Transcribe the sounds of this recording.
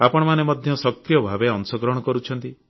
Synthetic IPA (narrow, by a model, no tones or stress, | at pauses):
apɔɽɔmanemɔd̪ʱjɔsɔk̚tɾijɔbʱabeɔŋsɔɡɾɔɦɽ̃ɔkɔɾut͡ʃʰɔnt̪i